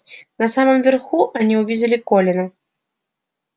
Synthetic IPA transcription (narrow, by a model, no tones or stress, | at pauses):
nɐsamɨmvʲɛrxuʔanʲiwvʲid͡zʲɐlʲikɔlʲɛnɐ